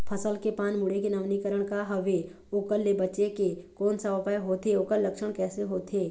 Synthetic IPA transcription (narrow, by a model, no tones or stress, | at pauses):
pʰəsəlkepaːnmʊɽekenəʋnikəɾəɽ̃kaɦɐʋe | oːkəlːebət͡ʃekekɔːnsəbapajɦoːt̪eoːkəlːəkʃəɽ̃kɛːseɦoːt̪ʰeː